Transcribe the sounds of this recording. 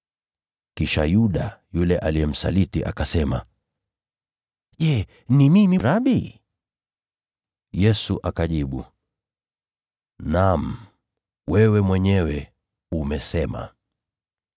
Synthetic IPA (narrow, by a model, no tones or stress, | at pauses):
kiʃajuɗajulɛʔalijɛm̩sa̰litiʔakasɛma | ʄɛ | nimimiɾaɓi | jɛsuʔakaʄiɓu | nam̩ | wɛwɛmwɛɲɛwɛ | umɛsɛma̰